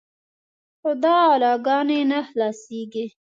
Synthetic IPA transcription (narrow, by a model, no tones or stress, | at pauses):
xʊd̪ɑːlɑɡɑnenahlɑsiɡi